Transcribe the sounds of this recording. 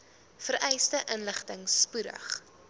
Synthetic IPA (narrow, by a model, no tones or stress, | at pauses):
fəɾʔɛjstəʔənləχtəŋspudə̰χ